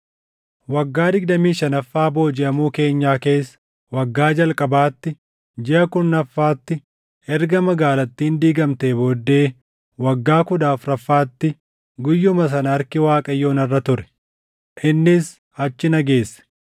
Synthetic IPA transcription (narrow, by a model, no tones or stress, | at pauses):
wɐɡːaːd̪ɪɡd̪ɐmiːʃɐnɐfːaːbo̞ːd͡ʒɛʔɐmuːke̞ːɲːaːke̞ːs | wɐɡːaːd͡ʒɐlkʼɐbaːt̪ːɪ | d͡ʒɪʔɐkʊnːɐfːaːt̪ːɪ | ɛɾɡɐmɐɡaːlɐt̪ːiːnd̪iːɡɐmt̪e̞ːboːd̪ːe̞ː | wɐɡːaːkʊd̪aːfɾɐfːaːt̪ːɪ | ɡʊjːʊmɐs̬ɐnɐɾkɪwaːkʼɐjːoːnɐrːɐt̪ʊɾɛ̥ | ʔɪnːɪs | ɐt͡ʃːɪnɐɡe̞ːsːɛ̥